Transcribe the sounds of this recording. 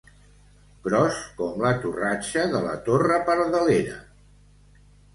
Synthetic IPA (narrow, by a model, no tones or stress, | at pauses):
kɾɔskɔmlət̪urat͡ʃəðələ̰t̪orəpəɾðəleɾə̰